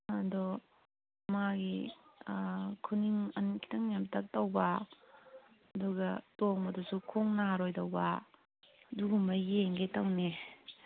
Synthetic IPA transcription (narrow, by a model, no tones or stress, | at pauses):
adɔ | maɡi | kʰuniŋɐnkʰi̥tʰɐŋjamtɐk̚tɐwba | ɐduɡɐtoŋɐdusukʰuŋnaɾojdɐwba | duɡumɐjeŋɡetɐwne